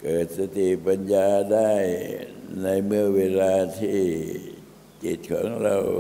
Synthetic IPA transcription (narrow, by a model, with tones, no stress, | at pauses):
kɤː˨˩t̪̚sa˧t̪i˨˩pa˧njaː˧da˥˩jna˧jmɯ˥˩əweː˧laː˧t̪ʰiː˥˩ | t͡ɕe˨˩t̪̚kʰɔ̰ː˩˦ŋɾa˧w